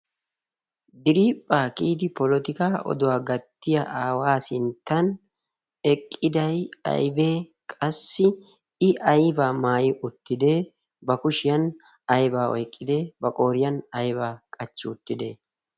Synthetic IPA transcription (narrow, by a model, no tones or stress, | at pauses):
d̪ɪɾiːpʼːaːkiːd̪ɪpɔlɔt̪ɪkaːʔɔ̰d̪ʊwaːɡɐt̪ːɪjɐʔaːwaːsɪnt̪ːɐn | ɛkʼːɪd̪ɐjɐ̰jbeːkʼɐsːɪ | ɪʔɐjbaːmaːjɪʔʊt̪ːɪd̪e̞ː | bɐkʊʃɪjɐn | ɐjbaːɔ̰jkʼːɪd̪eːbɐkʼo̞ːɾɪjɐnɐjbaːkʼɐt͡ʃːɪʊt̪ːɪd̪ḛː